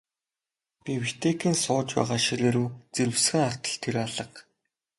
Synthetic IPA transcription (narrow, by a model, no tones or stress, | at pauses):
pʲiwit̪ʰekʰiːnsʊːt͡ɕpæ̰ːʁaːʃiɾeːɾuːt͡seɾɘ̆sxɘ̆ŋar̥t̪ə̆ɬt̪ʰeɾaɮə̆q